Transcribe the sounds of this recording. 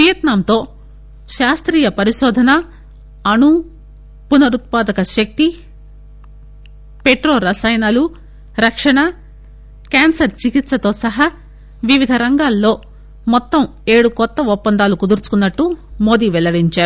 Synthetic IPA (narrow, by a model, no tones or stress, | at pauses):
pɾɐjɐt̪naːmt̪o̞ː | ʃaːst̪ɾiːjɐpɐɾiʃɔːd̪ʱɐnɐ | ɐnu | punɐɾut̪̚paːd̪ɐkɐʃɐk̚t̪i | peʈɾoːɾɐsɐjɐnɐlu | ɾɐkʂɐɳɐ | kaːnsɐɾt͡ʃikit̪sɐt̪o̞ːsɐɦɐ | ʋiʋid̪ʱɐɾɐŋɡaːlːo̞ː | mɔt̪ːɐm | e̞ːɽukɔt̪ːɐɔpːɐnd̪aːlukud̪uɾt͡ʃu̥kunːɐʈːumo̞ːd̪iʋɛlɐɽiɲt͡ʃaːɾu